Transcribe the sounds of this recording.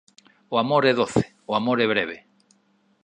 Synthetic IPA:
oamoɾeðoθe̥ | oamoɾeβ̞ɾeβe

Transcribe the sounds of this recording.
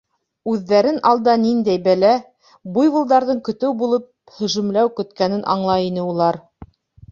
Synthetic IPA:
ʉðːæɾɘnɑlˠd̪ɑnind̪æjbælæ | bujβɤ̆lˠd̪ɑɾðɤɴkɵ̆t̪ɘwbulˠɤp̚ | hɵ̆ʃɵ̆mlæwkɵ̆t̪kænɘnʔɑ̰ɴlˠɑinɘulˠɑɾ

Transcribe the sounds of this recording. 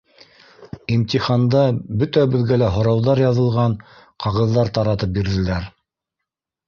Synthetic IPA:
imt̪ʲiχɑnd̪ɑbɵt̪æbɵ̆ðɡælæɦŏɾɑwðɑɾjɑðɤ̆lˠʁɑɴ | qɑʁɤ̆ðːɑɾt̪ɑɾɑt̪ɤp̚biɾðɘ̆læɾ

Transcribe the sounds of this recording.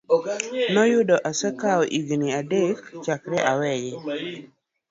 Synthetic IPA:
nɔjʊdɔʔasɛkaɔʔiɡniadekt͡ʃakɾɛʔawɛjɛ

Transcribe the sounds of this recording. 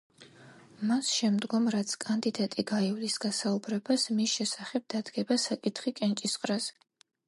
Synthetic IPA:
masʃɛmd̪ɡɔmɾat̪sʰkʼand̪id̪at̪ʼiɡaivlisɡasaubɾɛbasmisʃɛsaχɛb̥̚d̪̥ad̪ɡɛbasakʼit̪ʰχikʼɛnt͡ʃʼisqʼɾaz

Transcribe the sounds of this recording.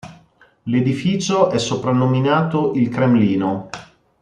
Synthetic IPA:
led̪ifiːt͡ʃoʔɛsːopɾanːominaːt̪oʔilkɾemliːno

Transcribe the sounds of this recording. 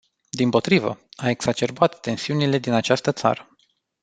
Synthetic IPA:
d̪impo̞t̪ɾivə̰ae̞ksat͡ʃe̞rbat̪ːe̞nsiunile̞d̪inat͡ʃast̪ət̪sa̰ɾə

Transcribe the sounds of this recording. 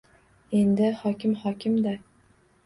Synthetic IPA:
end̪ɪhɒkʲʰɪmhɒkʲɪmd̪a

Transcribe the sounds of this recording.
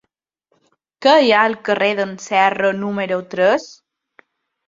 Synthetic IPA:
kəjaəlkəreðənsɛrənumeɾot̪ɾəs

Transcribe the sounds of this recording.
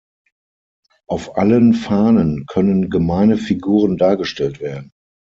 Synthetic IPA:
ʔaʊfʔa̰lənfaːnənkʰœnənɡəmaɪnəfiɡuːʁ̞əndaːɐɡəʃtɛltv̥eːɐdn̩

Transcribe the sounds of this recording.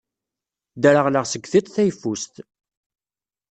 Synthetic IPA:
d̪əɾəʁləʁsəɡθit̪ˤθæjfust̪

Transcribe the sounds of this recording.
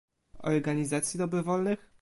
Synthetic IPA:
ɔ̰ɾɡaɲizat̪sʲjid̪ɔbɾɔvɔlnɘx

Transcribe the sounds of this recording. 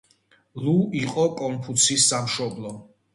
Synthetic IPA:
luiqʼɔkʼɔmpʰut̪sʰisːamʃɔblˠɔ

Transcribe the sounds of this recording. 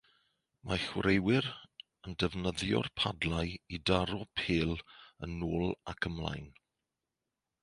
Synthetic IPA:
mʔaχwrejwɪɾ | əndəvnəðjɔ̰rpʰadlajidaɾɔpʰeːlə̰noːlˠakʰəmlˠa̰jn

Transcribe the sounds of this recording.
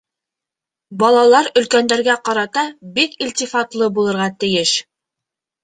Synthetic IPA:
bɑlˠɑlˠɑɾɵ̆lkænd̪æɾɡæqɑɾɑt̪ɑbikilʲt̪ʲifɑt̪lˠɤbulˠɤ̆ɾʁɑt̪ɘ̆jɘʃ

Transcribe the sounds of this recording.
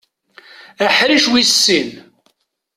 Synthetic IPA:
æħɾiʃwisːin

